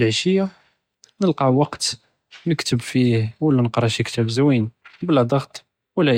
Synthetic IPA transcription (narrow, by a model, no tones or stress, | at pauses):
lʕʃəjːa | nəlqɑʕwɑqt̪ | məkt̪əbfihwəlːænəqɾˤɑʃjəkt̪æbzwinbəlːæd̪ˤɑɣt̪ˤ | wəlːæ